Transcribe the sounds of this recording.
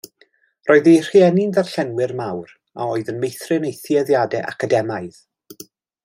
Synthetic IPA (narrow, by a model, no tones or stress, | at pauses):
roːɨðejr̥iɛnɪnðarɬɛnwɪrmawɾ | a̰oɨðənmejθrɪnejθjɛðjadɛʔa̰kʰadɛmaɨð